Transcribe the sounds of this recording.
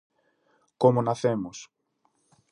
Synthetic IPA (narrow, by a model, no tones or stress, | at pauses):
komonaθemos